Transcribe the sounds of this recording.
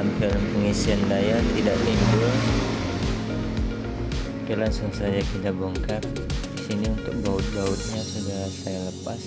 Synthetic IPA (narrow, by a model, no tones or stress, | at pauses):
ampɪlpəŋisiandajat̪idaʔlimbʊr | pilansaŋsajakidaboŋkar̚ | disiniunt̪ʊk̚baut̪̚d͡ʒaʊt̪̚ɲasəd͡ʒaɾasajaləpas